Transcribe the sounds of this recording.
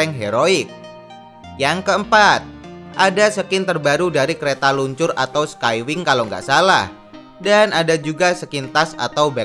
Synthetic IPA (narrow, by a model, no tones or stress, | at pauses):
ɛŋɦeɾoɪk̚ | jaŋkəəmpat̪̚ʔadasəkɪnt̪ərbaɾudaɾikəɾet̪aluɲt͡ʃʊra̰t̪awskajwɪŋkalaŋɡa̰ʔsala̰h | danadad͡ʒuɡasəkɪnt̪asa̰t̪awbɛ